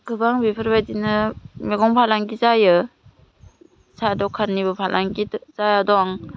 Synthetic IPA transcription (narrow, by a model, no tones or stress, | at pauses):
kʰɯbaŋbipʰɯɾbajdinɯmeɡɔŋpʰalaŋɡizajɯ | sʰadɔkʰanːibɯpʰalʔaŋɡizajadɔŋ